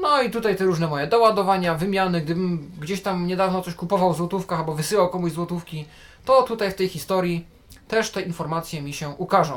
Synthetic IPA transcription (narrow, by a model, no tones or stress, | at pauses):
nɔit̪ut̪ajt̪ɛɾuʐnɛmɔjɛd̪ɔwad̪ɔvaɲavɘmʲjanɘɡ̚d̪ɘbɘmɡd͡ʑeɕt̪amɲɛd̪avnɔt̪ɔɕkupɔvawzwɔt̪ufkaalbɔvɘsɘwawkɔmuʑzwɔt̪ufkʲi | t̪ɔt̪ut̪ajft̪ɛjxʲist̪ɔɾʲji | t̪ɛʂt̪ɛinfɔɾmat̪sʲjɛmʲiɕɛʔukaʐɔ̃w̃